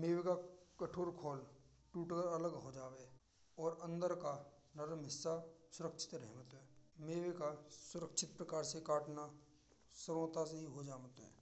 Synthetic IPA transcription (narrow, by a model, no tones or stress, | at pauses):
meːʋekakɐʈʰoːɾkʰɔːl | ʈuːʈəɾɐləɡɦod͡ʒaːʋe | ɔːɾə̃nd̪əɾka | nɐɾəmɦɪsːasʊɾəkʃʰɪ̥t̪ɾɛɦmət̪ɦɛːmeːʋekasʊɾəkʃʰɪt̪̚pɾɐkaːɾsekaːʈna | səɾoːt̪as̬eɦiɦod͡ʒaːmət̪ɦɛ̰ː